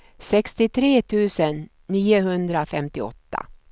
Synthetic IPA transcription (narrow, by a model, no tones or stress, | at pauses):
sɛkst̪ɪt̪ʰɾeːt̪ʰʉ̟ːsənː | iːʊɦɵnd̪ɾafɛmt̪ɪɔ̰t̪ːa̰